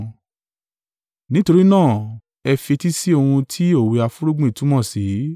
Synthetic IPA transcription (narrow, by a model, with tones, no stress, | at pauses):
nĩ˨˦to˧ɾi˦nãː˦˨ | ɛ˧fi˧ti˦si˦o˧hũ˧tʰi˦o˦˨we˧a˧fu˦ɾu˦ɡ͡bũ˦i˨tũ˨˦mɔ̃˦˨si˨˦